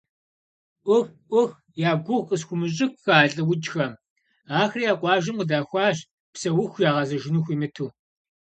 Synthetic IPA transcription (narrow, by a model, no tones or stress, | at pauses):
ʔʷʊxʔʷʊx | jaːɡʷʊxʼəsxʷʊmɨɕ̬ʼɪxʷxaːɬʼɐwʊd͡ʒʼxɐm | aːxrijaːqʷʼɑːʒɪmqədaːxʷɑːʑ | psɐwʊxʷjaːʁɐzɐʒɪnuxʷiːmɨtʰuː